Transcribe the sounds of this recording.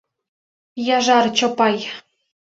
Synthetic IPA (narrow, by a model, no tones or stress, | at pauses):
jɑʒɑrt͡ɕɤ̆pɑj